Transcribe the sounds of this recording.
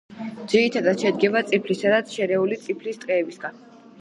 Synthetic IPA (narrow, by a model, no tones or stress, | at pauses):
d̪z̥iɾit̪ʰad̪at̪ʃɛd̪ɡɛvat̪sʼipʰlisad̪at̪sʰʃɛɾɛulit̪sʼipʰlist̪ʼqʼɛːbisɡan